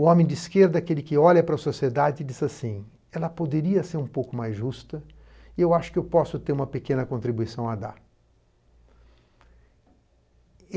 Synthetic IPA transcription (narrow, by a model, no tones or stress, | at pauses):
ʊõmẽj̃d͡ʒ̪ɪiskeɾd̪ɐakelɪkɪɔʎɐpɾɐsosied̪ad͡ʒɪd͡ʒizasĩ | ɛlɐpod̪eɾiɐseɾũpowkʊmajzʒust̪ɐ | ɪewaʃʊ̥kɪewpɔsʊt̪eɾũmɐpekẽnɐkõnt̪ɾibujsɐ̃w̃ɐd̪aɾ